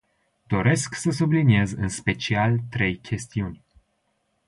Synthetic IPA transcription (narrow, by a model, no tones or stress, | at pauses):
d̪̥o̞ɾe̞sksəs̬ublinie̞zɨnspe̞t͡ʃialt̪ɾe̞jkʲʰe̞st̪iunʲ